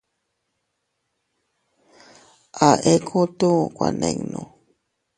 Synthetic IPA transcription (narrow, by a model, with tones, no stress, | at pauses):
ʔa˨ʔe˦kʰo˦t̪ũ˦˨kwa˨nẽ˨ŋnõ˨